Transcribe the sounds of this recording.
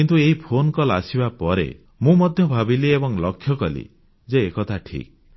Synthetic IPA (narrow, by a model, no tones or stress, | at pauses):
kint̪ueɦipʰonkɔlasibapɔɾḛ | mũmɔd̪ʱjɔbʱabiliebɔŋlɔkʰːjɔkɔlḭ | d͡ʒeːkɔt̪ʰaʈʰḭk̚